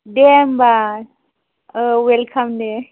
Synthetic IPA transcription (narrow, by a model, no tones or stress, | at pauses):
ɖemba | welkʰɐmde